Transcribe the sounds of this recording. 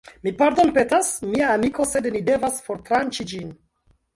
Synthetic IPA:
mipaɾdo̞npe̞tasmiaːmiko̞se̞dnide̞vasfo̞ɾtɾant͡ʃid͡ʒin

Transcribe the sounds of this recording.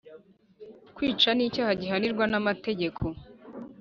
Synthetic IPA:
kwiːt͡ʃanicaːhaɟiɦaniɾɡwanamate̞ɟe̞kʰo

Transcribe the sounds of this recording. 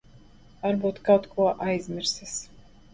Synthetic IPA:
aɾbuːt̪kawt̪kʰuɔʔajzʲmʲiɾsʲis

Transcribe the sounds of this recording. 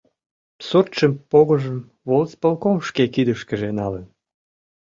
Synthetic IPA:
surt̪ʃəmpoɣəʒəm | βolspəlkomʃkekid̪əʃkəʒenɑlən

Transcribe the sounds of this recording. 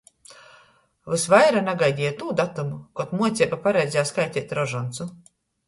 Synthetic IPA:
vɨsvajɾanaɡajd̪ʲijat̪uːd̪at̪umukɔt̪muɔt̪sʲiɛbapaɾɛjd̪zʲaːskajt̪ʲiɛt̪ʲɾɔʒɔnt̪su

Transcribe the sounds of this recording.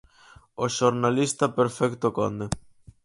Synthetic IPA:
oʃoɾnalist̪apeɾfɛkt̪oko̰nd̪e

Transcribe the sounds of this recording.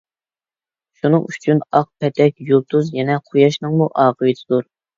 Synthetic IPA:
ʃunɨ̰ŋyt͡ʃʰynɑq̚pʰɛt̪ʰɛkʲjulˠt̪ʰuzjɛnɛqʰojɑʃnɨŋmuʔɑːʁəjɨd̪ʰɨd̪uɾ

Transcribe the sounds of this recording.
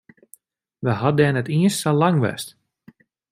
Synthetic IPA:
ʋəɦɑdɛnətiəstalɑŋʋɛ̰st

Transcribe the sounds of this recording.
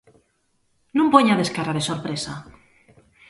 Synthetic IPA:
nũmpoɲaðeskaraɾesoɾpɾesa

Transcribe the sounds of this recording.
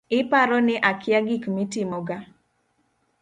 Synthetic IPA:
ɪpaɾɔnɪʔakɪaɡikmitɪmɔɡa

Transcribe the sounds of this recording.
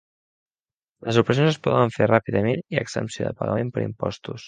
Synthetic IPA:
ləzupɾəsionzəspɔðəɱferapiðəmeniə̰ɡz̥ə̰mpsioðə̰pəɣə̰mempəɾḭmpɔ̰st̪us

